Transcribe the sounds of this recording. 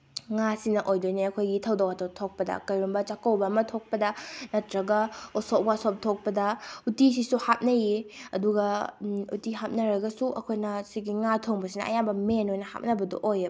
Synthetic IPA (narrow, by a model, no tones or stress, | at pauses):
ŋasinɐʔojdojniɐkʰojɡitʰɐwdowatʰotʰok̚pɐdɐ̰kɐjɾumbɐt͡ʃakɐwbɐːmɐtʰok̚pɐdɐnɐtɾɐɡɐosop̚ɡasop̚tʰok̚pɐdɐutisisuhap̚nɐjiɐduɡɐṵtiɦap̚nɐɾɐɡɐsuʔɐkʰojnɐsiɡiŋatʰoŋbɐsinɐ̰ɐ̰jambɐmenojnɐha̰p̚nɐbɐdo̰ʔojɐ